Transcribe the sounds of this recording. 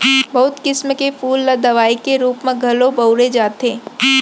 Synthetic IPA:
bɐɦʊt̪kɪsməkefuːlːəd̪ɐʋaːikeɾuːpmẽɡʱɐlobɐʊɾed͡ʒaːt̪eː

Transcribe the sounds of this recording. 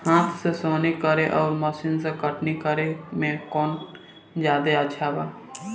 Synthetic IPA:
hãːt̪ʰsesoːnikəɾeʔɔːɾməʃiːnsekəʈnikəɾemẽkɔːn | d͡ʒjaːd̪eət͡ʃʰabaː

